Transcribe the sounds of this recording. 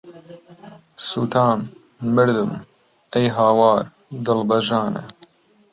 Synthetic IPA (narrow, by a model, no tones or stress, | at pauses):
sut̪ʰaːmː | əɾd̪um | ejɦaːwaːɾ | d̪ɐlbɐʒaːnɐ̰